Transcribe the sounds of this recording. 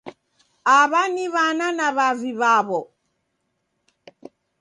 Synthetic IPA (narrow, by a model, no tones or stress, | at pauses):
aβaniβananaβaviβaβɔ